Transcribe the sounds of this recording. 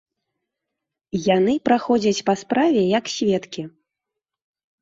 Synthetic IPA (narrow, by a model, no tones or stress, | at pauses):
janɨpɾaxɔd͡zʲɐt͡sʲpaspɾavʲɛjɐksʲvʲɛt̪kʲi